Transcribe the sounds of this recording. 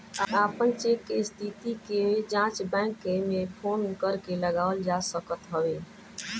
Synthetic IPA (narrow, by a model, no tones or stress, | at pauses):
aapənt͡ʃekːest̪ʰit̪iked͡ʒãt͡ʃbɛ̃kːemepʰonkəɾkeləɡaəld͡ʒasəkət̪ɦəʋe